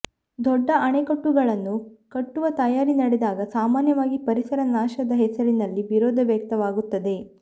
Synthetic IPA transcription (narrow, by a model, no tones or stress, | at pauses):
d̪ɔɖːɐʔɐɳekɐʈːuɡɐɭɐnːukɐʈːuʋɐt̪ɐjaːɾinɐɽed̪aːɡɐsaːmaːnjɐʋaːɡipɐɾisɐɾɐnaːʃɐd̪ɐɦɛsɐɾinɐlːiʋiɾoːd̪ʱɐʋjɐk̚t̪ɐʋaːɡut̪ːɐd̪e̞